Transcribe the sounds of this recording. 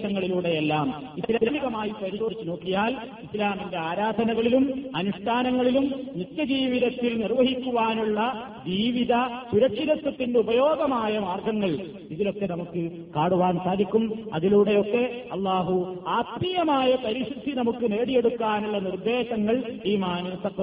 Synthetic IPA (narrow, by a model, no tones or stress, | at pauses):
ɐŋːɐɭiluːɽe̞jelːaːm | ilaniɣɐmaːjipɐɾisoːit͡ɕːuno̞ːkːijaːlislaːminde̞aːɾaːd̪ʱɐnɐɣɐɭilumɐnuʂʈʰaːnɐŋːɐɭilumːit̪ːjɐd͡ʑiːʋiðɐt̪ːilnirʋɐɦikʲːuʋaːnuɭːɐ | d͡ʑiːʋiðɐsuɾɐkʂiðɐt̪ːɐt̪ːindubɐjoːɡɐmaːjɐmaːrɡɐŋːɐɭ | iðilo̞kːe̞nɐmukːɨ | kaːɽuʋaːnsaːd̪ʱikʲːumɐ̰ðiluːɽe̞jo̞kːe̞ɐlˠːaːɦuaːt̪mijɐmaːjɐpɐɾiʂud̪ʱːinɐmukːɨne̞ːɽije̞ɽukːaːnuɭːɐnird̪e̞ːɕɐŋːɐɭiːmaːnusɐkː